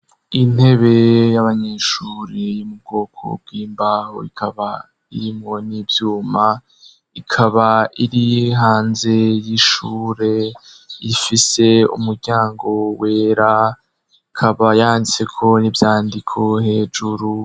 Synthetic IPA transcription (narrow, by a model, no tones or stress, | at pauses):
in̥he̞βe̞jaβaɲeːʃuːɾijumub̚ɡo̞ːkʰo̰b̚ɡwiːmbaho̰ikʰaβa | iɾimŋo̞niːvjuːma | ikʰaβaiɾiɦaːnze̞jiʃuːɾe̞ | ifise̞ṵmuɾɟaːŋɡo̞we̞ːɾa | ikʰaβajaːndit͡se̞kʰo̞nivjaːndikʰo̞he̞ːd͡ʒuɾu